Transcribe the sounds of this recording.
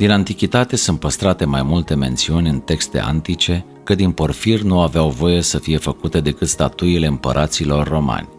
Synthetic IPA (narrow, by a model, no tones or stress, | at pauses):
d̪inant̪ikʲit̪at̪e̞sɨnt̪̚pəst̪ɾat̪e̞majmult̪e̞me̞nt̪siunʲɨnt̪e̞kst̪e̞̰a̰nt̪it͡ʃe̞ | kəd̪inpo̞rfirnuaveawvo̞je̞səfije̞fəkut̪e̞d̪e̞kɨt̪st̪at̪uile̞ɨmpə̰ɾʔat̪silo̞rːo̞ma̰nʲ